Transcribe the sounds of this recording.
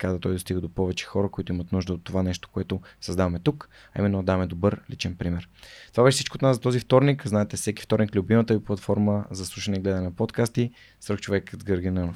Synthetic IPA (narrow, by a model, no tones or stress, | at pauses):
kad̪at̪ɔjd̪ost̪iɡəd̪opɔvɛt͡ʃɛ̥xɔɾəkoit̪ʊimət̪nuʒd̪əot̪ːovanɛʃt̪o̥koɛt̪osɐzd̪avɐmɛt̪uk | ɐimɛnːod̪avɐmɛd̪obɤɾlḭt͡ʃɛnpɾimɛɾt̪ovabɛʃɛsit͡ʃkoːt̪naszɐt̪ɔzift̪ɔɾnikznaɛt̪ɛfsɛki̥ft̪ɔɾniklʲʊbimət̪əviplˠɐt̪fɔɾməzɐslˠuʃənɛiɡlɛd̪ɐnɛnɐpɔt̪kast̪i | sɾəkt͡ʃovɛkzɡəɾɡinɛnof